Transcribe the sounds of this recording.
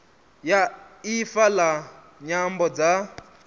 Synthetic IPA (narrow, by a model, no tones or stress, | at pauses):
jaifala | ɲambɔd͡za